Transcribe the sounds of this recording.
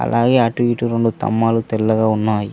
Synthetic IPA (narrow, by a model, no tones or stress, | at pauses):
ɐ̰lʔaːɡe̞ːɐʈʋiːʈuɾeɳɖut̪ɐ̰mːaːlut̪ɛlːɐɡaːunːaːji